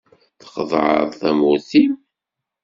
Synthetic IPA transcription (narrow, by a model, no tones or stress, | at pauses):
θə̥qəðˤʕə̰ðˤθæmuθim